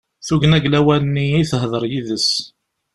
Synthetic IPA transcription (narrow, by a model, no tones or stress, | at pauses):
θuʝnæɡlæwælənːiiθəɦðˤəɾˤjiðəs